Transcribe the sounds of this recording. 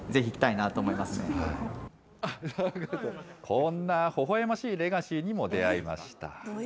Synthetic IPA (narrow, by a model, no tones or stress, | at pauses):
ze̞çiːkʲi̥t̪ainat̪oːmoimasɨnnea | anakod̪okʰõnːaho̞ɦo̞emaɕiːɾe̞ɡaɕiɲ̟imo̞d̪e̞aima̰ɕi̥t̪a̰